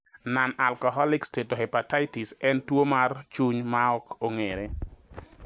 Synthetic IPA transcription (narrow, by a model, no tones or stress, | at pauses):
nanalkɔɦɔlɪkstetohepatajtisɛntwomart͡ʃuɲmaɔkoŋeɾe